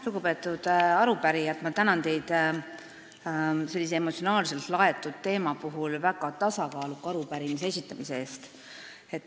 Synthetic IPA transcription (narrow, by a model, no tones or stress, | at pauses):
luɡ̥upe̞ːt̪ːˑud̪̥ɑɾupæɾijɑt̪mɑt̪ænɑnt̪e̞jd̪̥ | se̞lːis̬ee̞mot̪sio̞nɑːlse̞lt̪lɑe̞t̪ːˑud̪̥t̪e̞ːmɑpuɦulvæɡɑt̪ɑsɑkɑːlukːɑɾupæɾimisee̞sʲit̪ːˑɑmise̞eːst̪ | e̞t̪ːˑ